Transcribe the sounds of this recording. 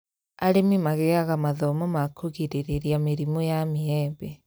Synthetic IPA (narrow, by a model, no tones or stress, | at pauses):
aɾemimaɣeaɣamaðɔmɔmakʰoɣiɾeɾeɾiameɾimojamiɛbɛ